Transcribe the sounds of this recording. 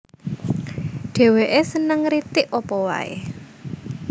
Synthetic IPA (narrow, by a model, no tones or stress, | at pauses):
ɖ̥e̤weʔesənəŋɾit̪ɪʔɔpɔwa̰ḛ